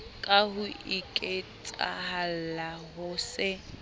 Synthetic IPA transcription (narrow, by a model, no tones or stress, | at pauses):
kʼahʊikʼet͡sʼa̰hal̩laɦʊːsɪ